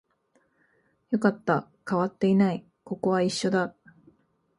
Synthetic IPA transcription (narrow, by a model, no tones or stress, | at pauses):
jo̞kat̪ːa | kaβat̪ːe̞inai | ko̞ko̞βaiɕːo̞d̪a